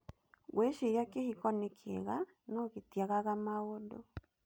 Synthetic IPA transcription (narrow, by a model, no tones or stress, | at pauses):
ɣweʃejakehikɔnekʰḛɣa | nɔɣetjaɣaɣamaɣodo̰